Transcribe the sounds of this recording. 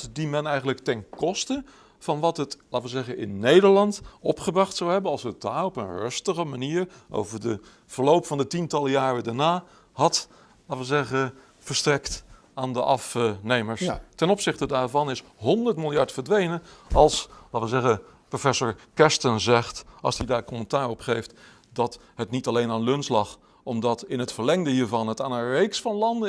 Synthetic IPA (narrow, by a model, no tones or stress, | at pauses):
dimɛnɛjχənləktɛnkɔstə | v̥ɑnʋɑtɦətlaːtʋəzɛχənɪ̰nːejdəɹlɑntɔpχəbrɑχtsawɦɛbənɑlˠsətdaɔpənrɵstəχəmaniːɹʔo̰wvəɹdə | v̥əɹlowpfɑndətintɑlˠəjaːrədaɹnaː | hɑt | laːtʋəzɛχə | fəɹstrɛkt | aːndəʔɑfnejməɹstɛnɔpsɪχtədaːɹvɑnɪs | ɦɔndəɹtmɪlˠjɑɹtfəɹdʋejnənɑlˠslaːtʋɪlˠzɛχə | profɛsoɹkɛstənzɛχtɑlˠsdidaːɹkɔməntaːɹɔpχejft | dɑt | ɦətnitɑlejnaːnlɵnslɑχ | ɔmdɑtɪnɦətfəɹlɛŋdəɦiːɹvɑnətaːnənrejksfɑnlɑndə